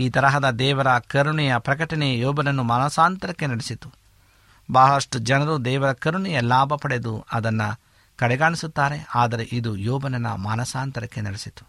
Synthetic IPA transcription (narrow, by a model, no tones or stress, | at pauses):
iːt̪ɐɾɐɦɐd̪ɐd̪ɛːʋɐɾɐkɐɾuɳɛjɐpɾɐkɐʈɐnɛɐjɔːbɐnɐnːumaːnɐsaːnt̪ɐɾɐkːenɐɽesit̪u̥ | baːɦɐʂʈud͡ʒɐnɐɾud̪ɛːʋɐɾɐkɐɾuɳijɐlaːbʱɐpɐɽe̞d̪uɐd̪ɐnːɐ | kɐɽɛɡaːɳisut̪ːaːɾe̞aːd̪ɐɾe̞ʔid̪ujɔːbɐnɐnːɐ̰maːnɐsaːnt̪ɐɾɐkːe̞nɐɽesit̪u̥